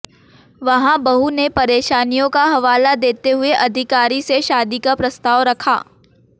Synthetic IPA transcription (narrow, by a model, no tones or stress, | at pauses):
ʋɐɦãbɐɦunepɐɾeːʃaːnijõkaɦɐʋaːlad̪eːt̪eɦʊeʔɐd̪ʱɪkaːɾiseʃaːd̪ikapɾɐst̪aːʋɾɐkʰa̰ː